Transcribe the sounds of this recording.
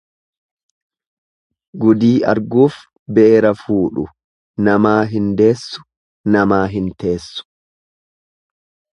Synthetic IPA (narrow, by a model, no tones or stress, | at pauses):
ɡʊd̪iːʔɐɾɡuːf | bɛʔeɾɐfuːᶑʊ̰ | nɐmaːɦɪnd̪e̞ːsːʊ̥ | nɐmaːɦɪnt̪eːsːʊ̥